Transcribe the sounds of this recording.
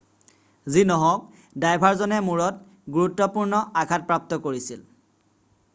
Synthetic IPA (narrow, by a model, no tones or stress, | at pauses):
zinɔɦɔ̃k̚ | dajbʱaɹzɔnɛmuɹɔt | ɡuɹutːɔpuɹnɔakʰat̚pɹap̚tɔkoɹisil